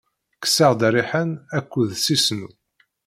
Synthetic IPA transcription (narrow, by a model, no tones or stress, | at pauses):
kə̥səʁd̪ɾiħənækʷːuðsisnu